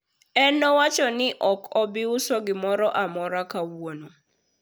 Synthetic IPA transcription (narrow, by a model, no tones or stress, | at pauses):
ɛnɔwat͡ʃɔnɪʔɔkɔbɪʊsɔɡɪmɔɾɔʔamɔɾakawono